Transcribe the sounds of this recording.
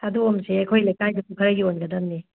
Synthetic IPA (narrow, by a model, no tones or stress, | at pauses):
ɐduomseɐjkʰojlɐjkajdɐpukʰɐɾɐɡionɡɐdɐmni